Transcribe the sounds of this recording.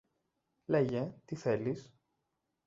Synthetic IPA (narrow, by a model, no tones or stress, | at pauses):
leʝet̪iθe̞lis